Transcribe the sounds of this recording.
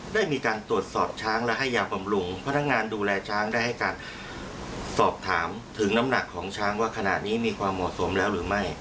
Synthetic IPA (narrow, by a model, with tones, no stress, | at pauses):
daː˥˩jmiː˧kaː˧nt̪ɾu˨˩ət̪̚sɔː˨˩p̚t͡ɕʰaː˦˥ŋlɛ˦˥ɦa˥˩jːaː˧wba˧mɾu˧ŋpʰa˧na˦˥k̚ŋaː˧nduː˧lɛː˧t͡ɕʰaː˦˥ŋdaː˥˩jɦa˥˩jkaː˧n | sɔː˨˩p̚t̪ʰaː˩˦mt̪ʰɯ˩˦ŋna˦˥mna˨˩kʰːɔː˩˦ŋt͡ɕʰaː˦˥ŋwaː˥˩kʰa˧na̰˨˩t̪̚niː˦˥miː˧kʰwaː˧mːɔ˨˩t̪so˩˦mlɛː˦˥wɾɯː˩˦ma˥˩j